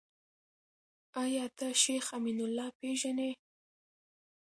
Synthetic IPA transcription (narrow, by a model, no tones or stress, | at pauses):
ajɑt̪aʃexaminʊlːɑpeʒane